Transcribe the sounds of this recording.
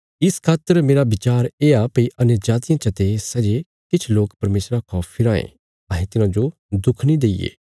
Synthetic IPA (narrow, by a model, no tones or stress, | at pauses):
ɪskʰaːt̪ːəɾmeːɾabɪt͡ʃaːɾeːapɐiʔɐnjəɾd͡ʒaːt̪ɪjãt͡ʃɐt̪esɛd͡ʒe | kɪt͡ʃʰloːkpɐɾmeːsɾakʰɔːpʰːɪɾãːḛ̃ | ãːɦẽt̪ɪnãd͡ʒo | d̪ʊkʰnĩd̪eːijḛː